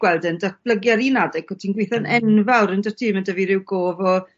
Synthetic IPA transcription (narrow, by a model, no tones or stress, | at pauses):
ɡ̥wɛlˠdəndat̚b̥lˠəɡjaɾinadɛɡʰɔtʰiːnɡwɪθanɛnvawɾəndə̥tʰiːmədəviɾɪwɡoːvɔ